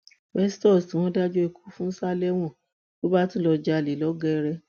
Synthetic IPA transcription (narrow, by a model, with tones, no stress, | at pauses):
wɛ˦stɔ˦˨sti˨w̃ɔ̃˦da˦d͡ʒo˦e˧ku̥˦fũ˦n̩˦sa˦lɛ˦w̃ɔ̃˦˨ | bo˦ba˦tũ˦lɔ˧d͡ʒa˧˦˨le˨˦lɔ˦ɡɛ˦˧ɾɛ˧